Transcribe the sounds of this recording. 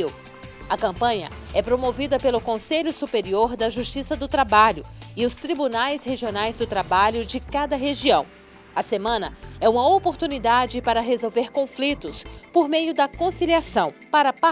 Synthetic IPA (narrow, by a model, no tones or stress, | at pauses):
iw | ɐkɐ̃mpɐ̃ɲɐ̰ɛpɾomovid̪ɐpelʊkõseʎʊsupeɾioɾd̪ɐʒust͡ʃisɐd̪ʊt̪ɾabaʎʊɪʊst̪ɾibunajsheʒionajzd̪ʊt̪ɾabaʎʊd͡ʒɪkad̪ɐɦeʒiɐ̃w̃ | ɐsemɐ̃nɐɛũmɐopoɾt̪unid̪ad͡ʒɪpaɾɐɦezowveɾkõflit̪ʊspoɾmejʊd̪ɐkõsiliasɐ̃w̃paɾɐpa